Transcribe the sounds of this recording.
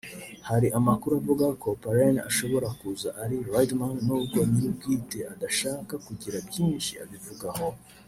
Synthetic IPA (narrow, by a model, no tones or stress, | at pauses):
haɾiʔamakuɾuavuɡakʰo̞paɾana̰ʃo̞βo̞ɾakuzaʔaɾiɾwajdmanːuːbɡoɲiɾubɡiːteadaʃaːkakuɟiɾabjiːnʃia̰βivuɡaho̞